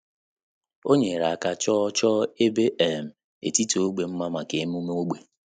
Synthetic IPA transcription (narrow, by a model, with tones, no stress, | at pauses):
o˦ɲe˨ɾa˨a˨ka˦t͡ʃɔ˦t͡ʃɔː˦e˦be˦ʔɛ˨m̩˨ | ḛ˨ti˦to˨o˦ɡ͡be˨m̩˦ma˦ma˨ke˨˦m˦u˦m˦o˦ɡ͡be˨